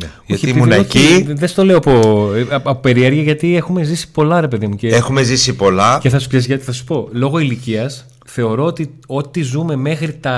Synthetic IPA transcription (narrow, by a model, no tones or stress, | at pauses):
neʝoɐtçiimunnɐociðest̪o̞le̞oɐpo̞ɐpope̞ɾieɾʝɐʝɐt̪ie̞xumezisi̥po̞lɐɾe̞pe̞ðimuceexume̞zisipo̞lɐeθɐsu̥kses̬ʝɐt̪iθɐsu̥po̞lo̞ɣo̞iliciɐs | θe̞o̞ɾo̞ot̪io̞t̪izume̞me̞xɾit̪ɐ